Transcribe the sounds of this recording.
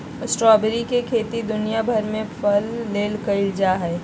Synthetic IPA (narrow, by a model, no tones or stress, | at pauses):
əsʈɾɔːbɾikekʰeːt̪id̪ʊnijabʱɐɾmẽpʰəlːeːlkəɪld͡ʒaɦɛː